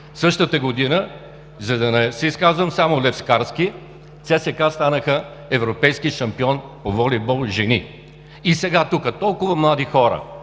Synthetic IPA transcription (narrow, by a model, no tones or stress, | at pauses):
sɤʃt̪ət̪əɡod̪inə | zɐd̪ɐnɛsɛiskazvɐmsamolɛfskaɾsk̟i | t̪sʲɛsɛkast̪anəxə | ɛvɾopɛjskiʃɐmpiɔnpovɔlibɔlˠʒɛni | isɛɡat̪ukət̪ɔlˠkʊvɐmlˠad̪ixɔɾə̰